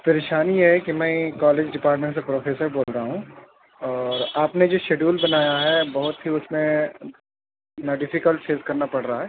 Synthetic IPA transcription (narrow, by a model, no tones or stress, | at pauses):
pɐɾeːʃaːnijeɦɛkimɛ̃kaːleːd͡ʒɖɪpaːɾʈmẽɳʈs̬epɾoːfʰeːsəɾboːlɾaɦũ | ɔːɾaːpned͡ʒoːʃeːɖuːlbɐnaːjaɦɛbɐɦʊt̪ɦiʊsmẽ | naɖɪfikəlʈseːzkɐɾnapɐɽɾaaɦɛː